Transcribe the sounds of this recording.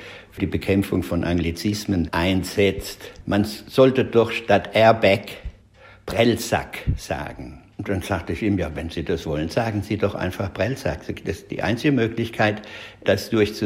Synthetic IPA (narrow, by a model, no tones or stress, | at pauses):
fd̥iːbəkʰɛmfʊŋfɔnʔaŋɡlit͡sɪsmənʔaɪnz̥ɛt͡stmanz̥ɔltədɔχʃtatʔɛɐbɛk | b̥ʁ̥ɛlza̰kz̥a̰ːɡŋ̩ | d̥anz̥aːk̚təɪçiːmjaːvɛnziːd̥asv̥ɔlənzaːɡŋ̩ziːdɔχʔa̰ɪnfaχb̥ʁ̥ɛlsa̰ktɛsd̥ḭːʔa̰ɪnt͡sɪɡəmøːklɪçkʰaɪtd̥asd̥ʊɐçt͡su